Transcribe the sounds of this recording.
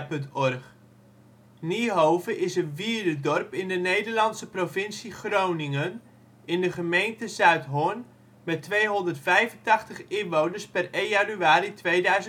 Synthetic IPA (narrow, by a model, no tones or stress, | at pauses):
pɵntɔrχ | niɦowvəʔɪsənviːɹdədɔrpɪndənejdəɹlɑnsəprovɪnsiχrownɪŋən | ɪndəχəmejntəzœɥtɦʊn | mɛtʋejɦɔndərtfɛjvəntɑχtəχɪnʋownəɹspɛrejanyaːɾitʋejdœɥzə